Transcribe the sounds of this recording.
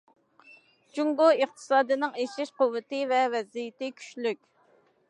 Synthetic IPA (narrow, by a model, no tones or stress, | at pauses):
d͡ʒuŋɡoiχt̪ʰɨ̥sɑːd̪ɨnɨŋeʃɪʃqʊwːɨt̪ɪvɛvɛzijɪt̪ɪkʲʰy̥ʃlykʲ